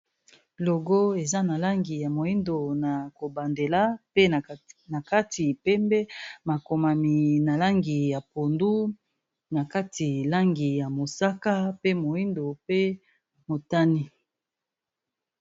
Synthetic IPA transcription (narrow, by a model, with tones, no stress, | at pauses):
lo˨ɡo˦e˨za˦na˨la˦ŋɡi˨ja˨mo˨i˦ndo˨na˨ko˨ba˨nde˨la˦pe˦˨na˨ka˦ti˨pɛ˦mbɛ˦ma˨ko˨ma˨mi˨na˨la˦ŋɡi˨ja˨po˨ndu˦ | na˨ka˦ti˨la˦ŋɡi˨ja˨mo˨sa˦ka˦pe˦mo˨i˦ndo˨pe˦ | mo˨ta˦ni˦